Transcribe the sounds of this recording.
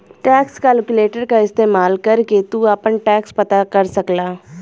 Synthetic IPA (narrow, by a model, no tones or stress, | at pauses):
ʈɛːkskɛːlkʊleːʈəɾkaɪst̪eːmaːlkɐɾket̪uɐpənʈɛːkspɐt̪akɐɾsɐklaː